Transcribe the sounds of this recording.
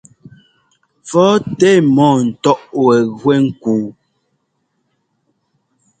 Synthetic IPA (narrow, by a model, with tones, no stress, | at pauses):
fɔ˦tɛ˦mɔ̃ː˦˨n̩˨tɔ˦ʔwɛ˨ɣwɛ˦ŋ̩˦kuː˨˦